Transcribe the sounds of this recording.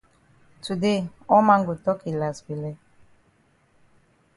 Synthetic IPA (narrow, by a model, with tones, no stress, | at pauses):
tu˨de˦˨ɔ˦mã˦ŋɡo˨tɔ˦ke˨la˨sbi˨lɛ˦